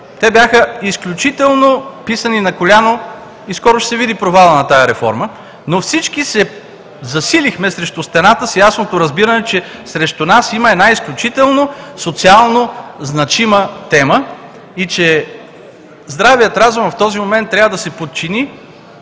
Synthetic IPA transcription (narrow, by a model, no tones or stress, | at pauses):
t̪ɛbjaxəisklʲut͡ʃit̪ɛlˠnopisəninɐkolʲano | iskɔɾʊʃsɛvid̪ipɾovalˠənɐt̪ajɐɾɛfɔ̰ɾmə | nofsit͡ʃkisɛ | zɐsilixmɛsɾɛʃt̪ust̪ɛnat̪əsjasnot̪oɾɐzbiɾənɛt͡ʃɛsɾɛʃt̪unasiməɛnaisklʲut͡ʃit̪ɛlˠnosot̪sialˠnoznɐt͡ʃimət̪ɛmə | it͡ʃɛ | zd̪ɾavijət̪ɾazumft̪ɔzimomɛnt̪ːɾʲavəd̪ɐsɛpot̪̚t͡ʃini